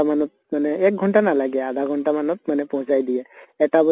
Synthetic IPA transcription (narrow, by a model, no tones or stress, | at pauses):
amanɔt̪̚manɛɛk̚ɡʱɔɳʈanalaɡɛad̪ʱaɡʱɔɳʈamanɔt̪̚manɛpɔɦũt͡ʃajd̪iɛɛtabɔ